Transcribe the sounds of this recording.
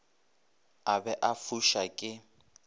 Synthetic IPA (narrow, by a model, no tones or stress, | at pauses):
abɛʔafuʃakʼɪ